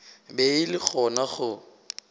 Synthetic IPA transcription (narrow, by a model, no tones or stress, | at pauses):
beɪlɪk͡xʰɔnaχʊ